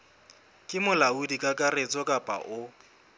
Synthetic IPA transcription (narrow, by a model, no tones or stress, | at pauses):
kʼɪmʊlaudikʼakʼaret͡sʼɔkʼapʼa̰ʔʊ